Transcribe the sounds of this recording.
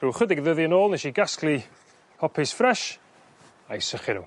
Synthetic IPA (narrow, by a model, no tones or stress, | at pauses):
ruːχədɪɡðəðiənoːlˠnɛʃiɡaskli | hɔpʰisfrɛʃ | ajsəχɪnṵ